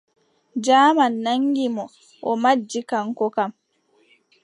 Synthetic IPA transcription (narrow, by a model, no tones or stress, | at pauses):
d͡ʒaːmanːaŋɡimɔ | ʔɔmad͡ʒːikaŋkɔkam